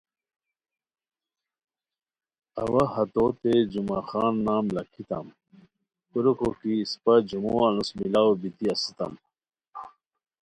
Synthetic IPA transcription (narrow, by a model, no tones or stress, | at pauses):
ɐwɐhɐt̪ot̪ed͡ʑumaːxaːnːaːmlɐkʰit̪ɐ̰m | puɾukokiːspɐd͡ʑumuanusmilaːwbit̪iɐsit̪ɐ̰m